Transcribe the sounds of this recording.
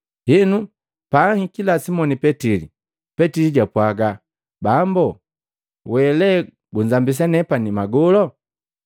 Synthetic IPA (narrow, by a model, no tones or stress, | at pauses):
hinu | paːhikilasimɔnipɛtilḭ | pɛtiliɟapwaɡa | bambɔ | wɛlɛ | ɡuɲd͡ʒambis̬anɛpanimaɡɔlɔ